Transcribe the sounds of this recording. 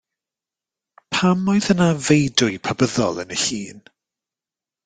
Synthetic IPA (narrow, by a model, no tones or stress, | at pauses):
pʰamɔɨðənavejdʊɨpʰabəðɔ̰lˠə̰nəɬiːn